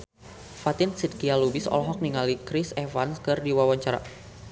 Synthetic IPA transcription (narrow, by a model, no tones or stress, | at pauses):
fat̪ɪnsid̪̚kialubɪsɔ̰lɔɦɔk̚niŋalikɾɪsɛfanskɨrdiwawaɲt͡ʃaɾa̰